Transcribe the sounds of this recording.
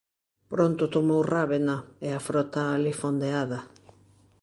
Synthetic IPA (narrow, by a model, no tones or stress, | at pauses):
pɾont̪ʊt̪omowraβenaeafɾot̪aːlifond̪eaðɐ